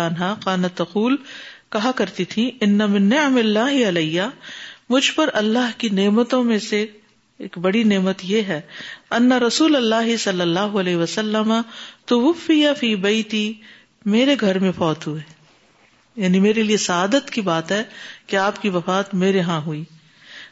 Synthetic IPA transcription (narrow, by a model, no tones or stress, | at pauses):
aːnɦakaːnɐt̪ːɐquːlkɐɦãkɐɾt̪it̪ʰĩɪnːɐmɪnːɪʕmɪlːaːɦɪɐlɐjːamʊd͡ʒʱpɐɾɐlːaːɦkineːmət̪õmẽse | eːkbɐɽineːmət̪jeɦɛːɐnːɐɾɐsuːlɐlːaːɦɪsɐlːɐlːaːɦoɐlɛːɦɪʋɐsɐlːəmɐt̪ʊwʊfːɪjafiːbɐɪt̪iː | meːɾeɡʱɐɾmẽfɔːt̪ɦue | jaːnimeːɾeliesɐaːd̪ət̪kibaːt̪ɦɛːkeaːpkiʋɐfaːt̪meːɾeɦãɦuiː